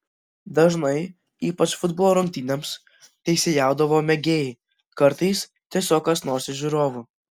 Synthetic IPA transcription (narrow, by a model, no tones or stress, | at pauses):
d̪ɐʒnɐɪ | iːpɐt͡ʃfʊd̪boːlˠoːɾɐŋʲk̚ʲt̪ʲiːnʲems | t̪ʲɛɪsʲejæˑʊd̪ɐʋoːmʲɛɡʲeːjɛ | kɐɾt̪ɐɪs | t̪ʲiɛsʲoːkɐsnoːɾsʲɪʒʲuɾoːʋʊ